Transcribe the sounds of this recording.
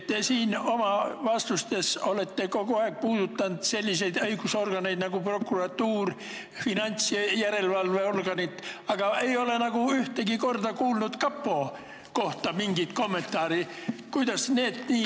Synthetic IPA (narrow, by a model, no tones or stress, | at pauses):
tt̪ːesiːno̞mɑʋɑst̪ust̪esole̞t̪ːeko̞koɑek̚puːd̪̥ut̪ːɑnd̪̥se̞lʲːise̞jd̪ɤjɡ̥uso̞rɡ̥ɑnejd̪nɑɡ̥upro̞kːurɑt̪ːuːr | finɑnʲt̪sjæɾe̞lvɑlveo̞rɡ̥ɑnit̪ːɑɡ̥ɑe̞jo̞le̞nɑɡuyht̪eɡiko̞rd̪ɑkuːlnut̪kɑpːo̞ː | ko̞ht̪ɑmiŋɡ̥it̪ko̞mːe̞nt̪ːˑɑːɾikujd̪̥ɑsneːd̪niː